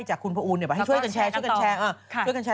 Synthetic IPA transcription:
jt͡ɕaː˨˩kʰːu˧npʰa˧ʔuː˧nːi˧˩b̚jt͡ɕʰjka˧nt͡ɕʰɛː˧t͡ɕʰu˥˩kʰɛː˧ʔaː˧t͡ɕu˥˩əjka˧nt͡ɕʰɛː˧

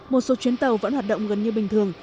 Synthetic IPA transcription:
mo˨˩t̚so˨˦t͡ɕwi˨˦nt̪ə˨˩wvə̰˧˥nhwaː˨˩ɗo̰˧˨ŋ͡mɣə˨˩nɲɨ˧ɓï˨˩ŋ̟t̪ʰɨ˨˩əŋ

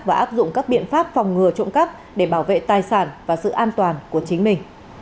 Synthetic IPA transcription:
vaː˨˩ʔaː˦˥p̚zʊ̰˧˨ŋ͡mkaː˦˥k̚ɓḭ˧˨ənfaː˦˥p̚fɔ˨˩wŋ͡mŋɨ˨˩ət͡ɕʊ̰˧˨ŋ͡mkə˦˥p̚ | ɗe˧˩ɓaː˧˩wvḛ˧˨t̪aː˨˩jsaː˧˩nvaː˨˩sɨ̰˧˨ʔaː˧nt̪waː˨˩nku˧˩ət͡ɕï˨˦ŋ̟mï˨˩ŋ̟

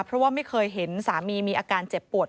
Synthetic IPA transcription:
pʰɾɔ˦˥waː˥˩ma˥˩jkʰɤː˧jɦe˩˦nsaː˩˦miː˧miː˧ʔaː˧kaː˧nt͡ɕe˨˩pːu˨˩ət̪

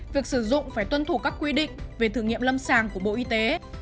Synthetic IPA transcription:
vi˨˩ək̚sɨ˧˩zʊ̰˧˨ŋ͡mfaː˧˩jt̪wə˧nt̪ʰu˧˩kaː˦˥kːwi˧ɗḭ̈˧˨ŋ̟ve˨˩t̪ʰɨ˧˩ŋḭ˧˨əmlə˧msaː˨˩ŋku˧˩əɓo̰˧˨ʔi˧t̪e˨˦

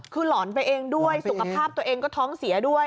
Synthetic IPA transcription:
kʰɯː˧lɔː˩˦npa˧jʔeː˧ŋdu˥˩əjsu˨˩kʰa˧kpʰaː˥˩p̚t̪u˧ɐʔeː˧ŋkɔː˥˩t̪ʰɔː˦˥ŋsi˨˩˦ɐdu˥˩əj

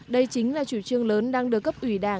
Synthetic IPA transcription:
ɗə˧jt͡ɕï˨˦ŋ̟laː˨˩t͡ɕṵ˧˩t͡ɕɨ˧əŋləː˨˦nɗaː˧ŋɗɨ˨˩əkːə˦˥p̚ʔwi˧˩ɗaː˧˩

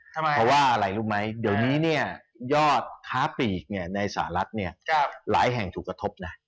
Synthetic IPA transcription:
ɔ˦˥waː˥˩ʔa˧ɾa˧˩jluː˥˩ma˦˥jdi˨˩˦əwniː˦˥ni˥˩ɐ | jɔː˥˩t̪̚kʰaː˦˥piː˨˩k̚ni˥˩ɐna˧jsa̰ː˩˦ɾa˦˥t̪̚ni˥˩ɐla̰ː˩˦jɦɛ˨˩ŋt̪ʰuː˨˩kːɾa˧t̪ʰo˦˥p̚na˦˥

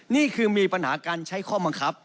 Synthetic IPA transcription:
niː˥˩kʰɯː˧miː˧pa˧nha̰ː˩˦kaː˧nt͡ɕʰa˦˥jkʰɔː˥˩ba˧ŋkʰa˦˥p̚

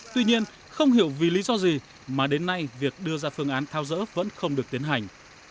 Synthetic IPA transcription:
t̪wi˧ɲi˧ən | xə˧wŋ͡mhḭ˧˩əwvi˨˩lḭ˧˥zɔ˧zi˨˩ | maː˨˩ɗe˨˦nːa˧jvi˨˩ək̚ɗɨ˧əzaː˧fɨ˧əŋʔaː˨˦nt̪ʰaː˨˦wzə̰ː˧˥və̰˧˥nxə˧wŋ͡mɗɨ˨˩ək̚t̪i˨˦ənɦa˨˩jŋ̟

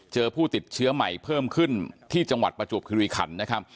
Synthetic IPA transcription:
t͡ɕɤː˧pʰuː˥˩t̪i˨˩t̪̚t͡ɕʰɯ˦˥ɐma˨˩jpʰɤː˥˩mkʰɯ˥˩nt̪ʰiː˥˩t͡ɕa˧ŋwa̰˨˩t̪̚pɾa˧t͡ɕu˨˩p̚kʰi˧wiː˧kʰa̰˩˦nːa˦˥kʰa˦˥p̚

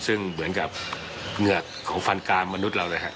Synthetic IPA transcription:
sɯ˧˩ŋmɯ˩˦ənka˨˩p̚ | ŋɯ˨˩ə˩k̪̚ʰːɔː˨˦ŋfa˧nkaː˧ŋma˧nu˦˥t̪̚la˧wlaː˧˩ɦa̰˦˥ʔ

